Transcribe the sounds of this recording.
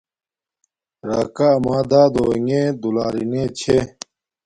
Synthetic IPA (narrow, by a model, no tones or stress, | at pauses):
ɾaːkaɐmaːd̪aːd̪oeŋed̪ulaːɾinet͡ɕʰe